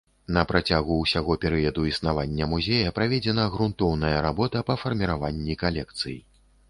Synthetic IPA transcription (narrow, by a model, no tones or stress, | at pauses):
nɐpɾat͡sʲaɣuːsʲaɣɔpʲɛɾɨjɐd̪uisnavanʲːɐmuzʲejɐpɾavʲɛd͡zʲɛnɐɣɾunt̪ɔwnɐjɐɾabɔt̪ɐpɐfɐrmʲiɾavanʲːikalʲɛk̚t̪sɨji